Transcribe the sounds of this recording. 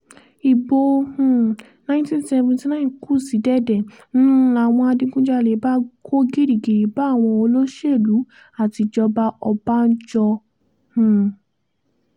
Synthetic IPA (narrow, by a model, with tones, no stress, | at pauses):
i˨bõ˧˨ | nã˦tĩ˦sɛ˧vɔ̃˧ti˧nã˦ĩ˨ku˦˨si˨˦dɛ˦˨dɛ̃˨˦˨ | a˨w̃ɔ̃˧a˧dĩ˧ɡũ˦d͡ʒa˧lɛ˨˦ba˦kʰo˦ɡi˦ɾi˨ɡi˨ɾi˨˦ba˦˨w̃ɔ̃˧o˧lo˦ʃe˦˨lu˨˦ | a˦˨ti˧d͡ʒɔ˧ba˧ʔɔ˧ba˦n̩˦d͡ʒɔ˧ | h̩˨